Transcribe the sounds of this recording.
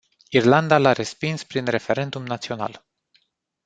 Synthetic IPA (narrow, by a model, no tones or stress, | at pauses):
irland̪alaɾe̞spinspɾinre̞fe̞ɾe̞nd̪umnat̪sio̞na̰l